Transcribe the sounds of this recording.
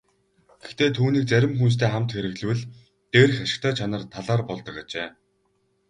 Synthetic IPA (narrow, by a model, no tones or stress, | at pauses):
ɡ̥ext̪eːt̪ʰuːniːk̚t͡sæɾʲɪ̆mxuns̬t̪ʰeːχamt̪xeɾɘ̆ɣɮɘ̆wɘ̆ɮ | t̪eːɾ̆xaʃɪ̥̆kt̪ʰœːt͡ɕʰanə̆rt̪ʰaɮaːrpɔɮt̪ɞ̆kat͡ɕeː